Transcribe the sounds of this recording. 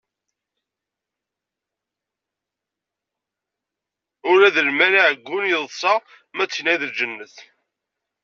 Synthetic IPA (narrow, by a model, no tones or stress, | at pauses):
ʊɾæðəlmæɾaʕəɡʷːʊnjəðˤsˤɑ | mæt͡sːçnæjðəd͡ʒənːəθ